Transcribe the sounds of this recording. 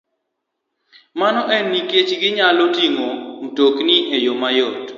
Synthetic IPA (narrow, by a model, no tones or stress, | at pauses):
manɔʔɛnːiket͡ʃɡɪɲalotiŋoŋutokniʔejomajɔt